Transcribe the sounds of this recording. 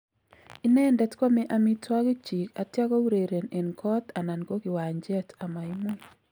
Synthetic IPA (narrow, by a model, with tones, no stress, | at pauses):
i˦nɛ˦ndɛ˦tkɔ˦me˦ʔa˨mi˦twa˦ɡi˦t͡ʃi˨ka˨tja˦kɔ˦u˦ɾe˨ɾe˨ne˨nkʰɔ˦t̪a˨na˨nɡo˦ɡɪ˨wa˨ɲd͡ʒɛ˦ta˨ma˨i˦mo˦